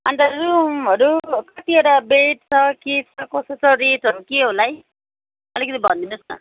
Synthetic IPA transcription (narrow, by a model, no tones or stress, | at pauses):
ʌnd̪aɾumɦʌɾukʌt̪iʌʈabeʈ̚t͡sʰʌket͡sʰʌkosot͡sʰʌɾeʈɦʌɾukeɦolaj | ʌlikʌt̪ibʱʌnd̪inusnʌ̰